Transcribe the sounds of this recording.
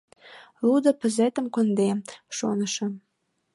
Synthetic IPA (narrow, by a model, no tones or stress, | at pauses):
lud̪ə̆pəzet̪ə̆mkond̪eʃonə̆ʃɤ̆